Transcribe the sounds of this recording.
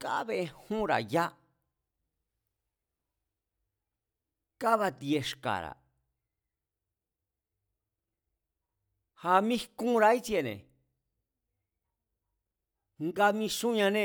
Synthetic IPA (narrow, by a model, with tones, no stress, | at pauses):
ka˦βe˧hũ˦ɾa̰˨ja˦ | ka˦βa˧t̪je˧ʂka̰˨ɾa̰˨ | ha˧mĩ˦kũ˦˧ɾa˧˦i˦t͡se˧˨nḛ̃˨ | ŋɡa˧mĩ˧sũ˦ɲã˧nẽ˦˧